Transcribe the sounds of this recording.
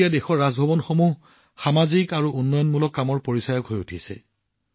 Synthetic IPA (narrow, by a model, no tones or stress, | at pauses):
ijadexɔɹːazbʱɔbɔnxomuɦ | xamazikaɹuʔunːɔjɔnmulɔkːamɔɹpoɹisajɔkɦojutʰisɛ̰